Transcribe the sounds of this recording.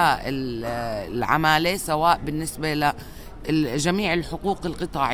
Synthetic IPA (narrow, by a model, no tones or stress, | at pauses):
aʔɪl | lʕa̰maːlesawaːʔbɪnːɪsbala | ʒamiːʕɪlħʊquːqɪlqɨt̪ˤɑːʕ